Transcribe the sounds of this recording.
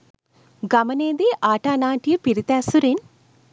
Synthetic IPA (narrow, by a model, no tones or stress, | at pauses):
ɡɐmɐneːd̪iʔaːʈaːnaːʈipiɾit̪aːsuɾen